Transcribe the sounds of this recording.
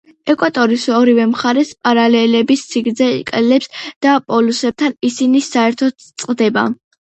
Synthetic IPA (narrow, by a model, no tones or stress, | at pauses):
ɛkʼwat̪ʼɔɾisɔɾivɛmχaɾɛspʼaɾalɛlɛbissʰiɡɾzɛḭkʼlɛlɛpsd̪̥apʼɔlusɛb̥̚t̪ʰanisinisaɛɾt̪ʰɔt̪t̪sʼqʼd̪ɛba̰